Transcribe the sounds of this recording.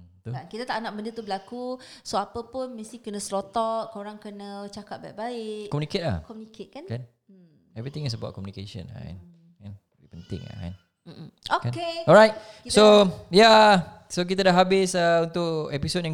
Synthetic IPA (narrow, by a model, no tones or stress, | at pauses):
t̪uankit̪at̪aʔnaʔbəndət̪ubəlakusoapəpʊnmə̃st̪ikənə̃slot̪ɔʔkoɾaŋkənə̃t͡ʃakat̪̚bajʔbaɪʔkɔmjuniket̚la̰hkɔmjuniket̪̚kankan | ɛvɹit̪ɪ̃ŋis̬əba̰t̚kɔmunikeʃə̰̃na̰a̰n | kan | bipənt̪ɪ̰̃ŋa̰ka̰n | m̩ʔm̩okankeɔlɹajt̚soja | sok̬it̪ədaɦabɪsəunt̪ʊkɛpisot̚jãŋ